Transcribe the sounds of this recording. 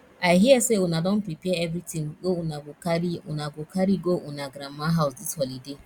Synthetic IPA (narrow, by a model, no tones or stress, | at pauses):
aɪɦieseʊnadɔ̃n̩pɾipɛɛvɾitimɡounaɡʊkaɾiʊ̰naɡʊkaɾiɡoʔʊnaɡɾamaɦaʊsdishɔlide